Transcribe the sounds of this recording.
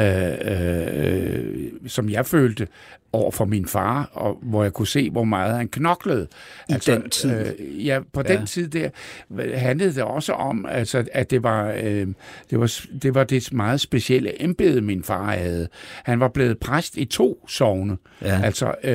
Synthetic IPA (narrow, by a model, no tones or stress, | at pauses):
sɒ̽mjɑ̈ɪføːld̥ə | ʔɒʊ̰ɐfɒ̽minfɑ̈ːɒʋɒjäɪkʰuse̝̰ːʋɒmɑ̈ːð̞̩ˠhænkʰnɒ̽ɡ̥ləð̩ˠʔælsʰijæpʰɒ̽d̥ent͡sʰið̞̰ˠd̥æɐ̰ɦænləð̞̩ˠd̥e̝ʔɒ̽səʔɒ̽mælsɒ̽æd̥e̝ʋɑ̈ | d̥e̝ʋɑ̈sd̥e̝ʋɑ̈d̥e̝mɑ̈ːð̞̩ˠsb̥e̝siel̰əʔemb̥e̝ð̞̩ˠəminfɑ̈ːhæð̞̩ˠhænʋɑ̈b̥le̝ːð̞̩ˠpʰʁasd̥it͡sʰo̝̰ːsɒʊnə | ælsɒ